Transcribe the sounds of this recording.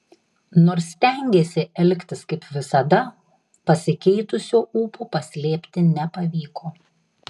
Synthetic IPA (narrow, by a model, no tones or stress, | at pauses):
noːɾsʲːt̪ʲɛˑŋʲɡʲeːsʲɪɛlʲkʲt̪ʲɪskɐɪpʋʲɪsɐd̪ɐ | pɐsʲɪkʲɛɪt̪ʊsʲoːuːpuːpɐsʲlʲeːpʲt̪ʲɪnʲɛpɐʋʲiːkoː